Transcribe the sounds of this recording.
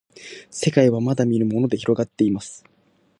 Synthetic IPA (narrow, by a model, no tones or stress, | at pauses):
se̞kaiβamad̪amʲiɾɯ̟mo̞no̞d̪e̞çiɾo̞ɡat̪ːe̞imasɨ̥